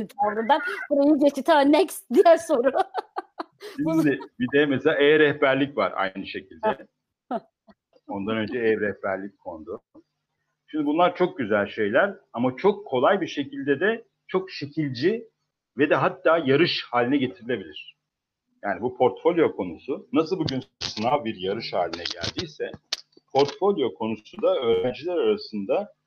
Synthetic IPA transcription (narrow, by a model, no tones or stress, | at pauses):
t̪ʰaɾd̪ad̪anboɾajɯɟet͡ʃʰit̪ʰɛnːɛcsd̪ijɛɾso̞ɾʊ | ʃimd̪ɪbid̪ɛmeselʲaːɛːɾɛhbæɾlʲicva̰ɾa̰jnɯʃe̞cʰilʲd̪ɛ | o̞nd̪anønd͡ʒɛɛːɾɛhbæɾlʲic̚kʰo̞nd̪ʊ | ʃimd̪ibunlˠaɾt͡ʃʰo̞k̚ɟyzælʲʃe̞jlʲæɾamat͡ʃʰo̞kʰːo̞lˠajbiʃe̞cʰilʲd̪ɛd̪ɛ | t͡ʃʰo̞kʃe̞cʰilʲd͡ʒi | vɛd̪ɛɦat̪ːaːjaɾɯʃhaːlʲinɛɟe̞t̪ʰiɾilʲe̞bilʲiɾ̝̥ | jaːnibupʰo̞ɾt̪fo̞lʲjo̞kʰo̞nusʊnasɯlˠbuɟynsɯnavbiɾjaɾɯʃha̰ːlʲinɛɟæ̰lʲd̪ijsɛ | pʰo̞ɾt̪fo̞lʲjo̞kʰo̞nusud̪aøːɾænd͡ʒilʲæɾaɾasɯnd̪a